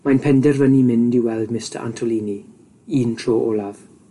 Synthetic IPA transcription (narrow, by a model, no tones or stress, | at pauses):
manpʰɛndɛrvənimɪndɪwɛlˠdmɪstə̰ɹʔa̰ntʰɔliːni | iːntʰroːʔolav̥